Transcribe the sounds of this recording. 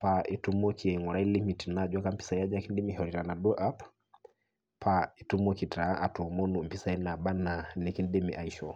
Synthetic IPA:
pa˨ʔi˨tu˦mɔ˦kʰi˨ɛ˨i˨ŋɔ˨ɾa˦i˦li˦mi˨ti˨na˦d͡ʒwa˦ka˦m̩˦pi̥˦sa˨ja˦d͡ʒa˦ki˦ndi˦mi˨ɦɔ˨ɾi˨ɾa˨na˨ɗɔ˦ʔa˦p | pʰa˨i˨tu˦mɔ˦ki˨ta˨˦ʔa˨tu˨mɔ˦nu˨m̩˨pi˦sa˦i˦na˨ɓa˦na˨ni˨ki˦ndi˦miʔaiʃɔ˨

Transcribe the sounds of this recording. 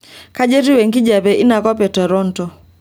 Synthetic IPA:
ka˦ʄɛ˦ɾi˦wɛ˨ŋɡi˦d͡ʒa˨βɛ˨ʔi˦na˨kɔ˦pɛ˨tɛ˨ɾɔ˦n˨tɔ˨

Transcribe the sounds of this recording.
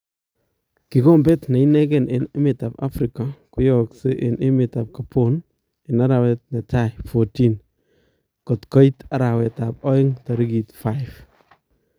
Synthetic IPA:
kɪ˨kɔ˦mbɛ˦tna˨i˦nɛ˦kɛ˨nɪ˨nɪ˦mɪ˨ta˨ba̰˦fɾi˨ka˨kʊ˦jɔkse˦ʔɪ˨nʔɪ˦mɪ˨ta˨p̚ka˨pʰon | ɪ˨na˦ɾa˨wɛ˦t̚na˨ta˦jfɔti˦n | kɔ˨tkɔ˦i˦ta˨ɾa˨wɛ˨ta˨pɔ˦ɪ˦ŋta˨ɾi˦ɡi˨tfa˦jf

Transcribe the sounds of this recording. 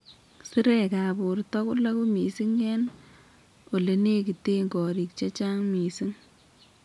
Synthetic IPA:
sɪ˦ɾɛka˨bʊ˨rtɔ˦kʊ˦la˦ku˦mi˨si˦ŋɛ˦n | o˨le˨ne˦ki˨te˦ŋɡɔ˨ɾi˨kt͡ʃa˦t͡ʃa˦ŋmi˨si˦ŋ

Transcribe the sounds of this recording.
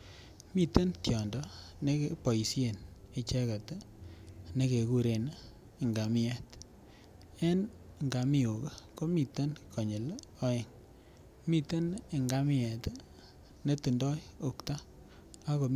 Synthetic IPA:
mi˦t̪e˦ntjɔ˨ndɔ˦ne˦kepɔ˨i˨sje˨ne˨t͡ʃɛ˦ka˨t | ne˦ke˨ku˦ɾe˨n˦˨ | ŋɡa˨mɪ˦ɛ˦˨t | e˦n˨ | ŋɡa˨mi˦o˨ke˦ko˦mi˨t̪e˦nkʰɔ˨ɲe˨lɔ˦e˨ŋ | mi˦t̪e˦ne˨ŋɡa˦mi˦ɛ˨t | ne˦tu˨ndɔ˦jo˨kta˦ | a˦ko˨

